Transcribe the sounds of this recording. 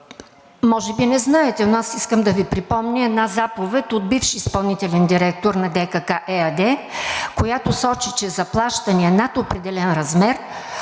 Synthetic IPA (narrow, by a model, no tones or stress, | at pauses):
mɔʒɛbinɛznaɛt̪ɛnoasiskəmd̪ɐvipɾipɔmnʲəɛd̪nazapovɛt̪ʲod̪̚bifʃiːspɐlˠnit̪ɛlɛnd̪iɾɛk̚t̪oɾnɐd̪ɛkakaʔɛɐd̪ɛkojat̪osɔt͡ʃit͡ʃɛzɐplˠaʃt̪ɐniɛnat̪opɾɛd̪ɛlɛnɾɐzmɛɾ